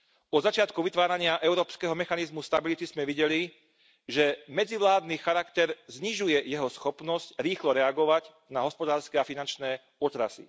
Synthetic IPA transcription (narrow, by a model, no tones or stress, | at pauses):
ɔzat͡ʃɪat̪kuʋit̪ʋaːɾaɲɪaʔɛʊɾɔːpskɛɦɔmɛxanizmust̪abilit̪izmɛʋiɟɛli | ʒɛmɛd͡ziʋlaːd̪nixaɾakt̪ɛɾzɲiʒujɛjɛɦɔsxɔpnɔscɾiːxlɔɾɛaɡɔʋaɟ | naɦɔspɔd̪aːɾskɛːafinant͡ʃnɛː | ɔt̪ɾa̰sḭ